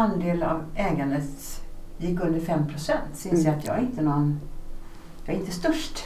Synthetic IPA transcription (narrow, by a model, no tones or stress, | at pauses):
and̪eːlavɛːɡand̪ət̪jɪkːɵnd̪əɾfɛmpʰɾʊsɛnt̪sɔɪnsəat̪jɑ̰ːɡæɾɪnt̪ənɔn | jɑːɡæɾɪnt̪əst̪œʂʈ